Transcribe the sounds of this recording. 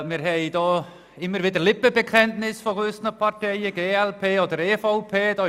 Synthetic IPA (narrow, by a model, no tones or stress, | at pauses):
mɪɾhejd̪ɔː | ɪməɾvɪdəlɪbəbəkʰɛnt̪nɪsfɔʁʉsnəpʰartʰejəɡeːɛlpʰeːɔd̪əɾeːfawpʰeːd̥̪ɔ